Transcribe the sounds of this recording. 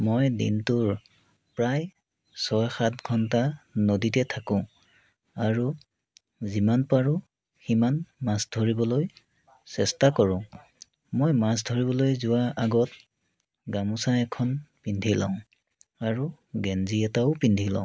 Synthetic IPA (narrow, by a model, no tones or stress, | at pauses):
mojdḭntʊɹ | pɹaj | sɔjxatɡʱɔntanoditɛtʰakʊ̃ | aɹu | zimanpaɹʊ̃ | ximanmasdʱoɹibɔloj | sɛstakɔɹʊ̃ | mojmas̬dʱoɹiβɔlojzʊwaʔaɡɔt̚ | ɡamusaɛkʰɔnpindʱilã̰ʊ̃ | aɹu | ɡɛnziɛtaʊpindʱilã̰ʊ̃